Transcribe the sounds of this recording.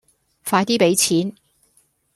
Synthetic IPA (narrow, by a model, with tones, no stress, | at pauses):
faː˧jt̪iː˥pe˨˧˥jt͡sʰiː˨˥n